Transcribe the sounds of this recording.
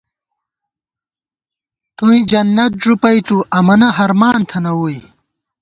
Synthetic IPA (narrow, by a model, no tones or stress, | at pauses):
t̪uĩd͡ʑɐnːɐt̪̚ʐupɐjt̪uʔɐmɐnɐɦɐɾmaːnt̪ʰɐnɐwuj